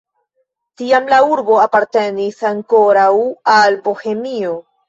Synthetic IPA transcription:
tiamlauɾbo̞apaɾte̞nisaŋko̞ɾawalbo̞he̞mio̞

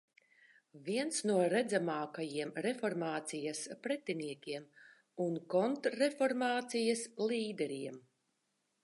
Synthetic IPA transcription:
vʲiɛnsnuɔɾɛd̪zamaːkajiɛmɾɛfɔɾmaːt̪sijɐspɾɛt̪iniɛkʲiɛm | unkɔnt̪ːɛfɔɾmaːt̪sijɐslˠiːd̪ɛɾiɛm

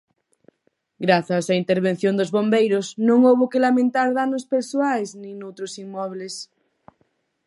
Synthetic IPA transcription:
ɡɾaθasaint̪eɾβ̞en̟θjõnd̪ozβombejɾosnõŋowβokelamẽnt̪aɾðanospeɾsuajznĩnowt̪ɾosiŋmɔβles

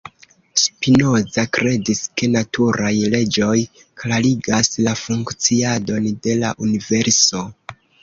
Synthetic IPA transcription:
spino̞zakɾe̞diske̞natʰuɾajle̞d͡ʒo̞j | klaliɡaslafuŋkt͡siado̞nde̞la̰ʔunive̞ɾso̞

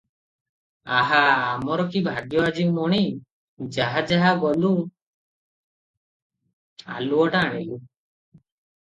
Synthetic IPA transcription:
aɦaːmɔɾɔkibʱaɡjɔad͡ʒiwmɔɽ̃i | d͡ʒaɦad͡ʒaɦaɡɔlu | a̰luɔʈaːɽ̃ilu

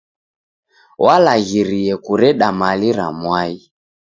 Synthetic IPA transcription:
wʔalaɣiɾiɛkuɾɛɗamaliɾa̰mwai

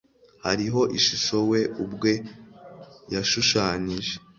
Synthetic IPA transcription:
haɾiɦo̞ʔiʃuʃo̞we̞ʔubɡwe̞ | jaʃuʃaːɲiʒe

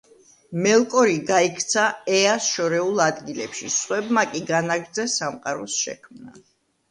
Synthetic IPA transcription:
mɛlˠkʼɔɾiɡaikʰt̪sʰaɛasʃɔɾɛulˠad̪ɡilɛpʃḭsχwɛbmakʼiɡanaɡɾd̪zɛsamqʼaɾɔsʃɛ̰kʰmna̰

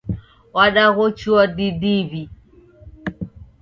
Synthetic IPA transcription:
waɗaɣɔt͡ʃuɔdidiβi

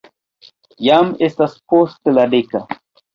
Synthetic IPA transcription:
jamest̪aspost̪ɨladeka

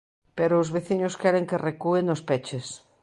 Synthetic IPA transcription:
peɾoːzβeθiɲʊskɛɾeŋkerekuenospɛt͡ʃes

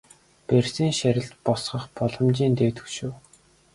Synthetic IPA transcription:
persiːŋʃæɾʲɪ̆ɮt̪pɔsχə̆χpɔɮɞ̆mt͡ɕiːnt̪eːt̪ɵ̥̆kʃuw

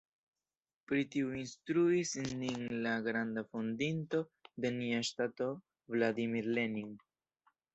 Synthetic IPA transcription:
pɾitiuinstɾuisnːinlaɡɾandafondinto̞de̞niaʃtato̞ | vladimiɾle̞niŋ

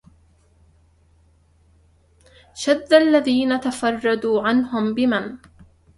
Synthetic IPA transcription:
ʃad̪ːalːaðiːnat̪afɑrˤːɑd̪uːʕanɦʊmbɪman

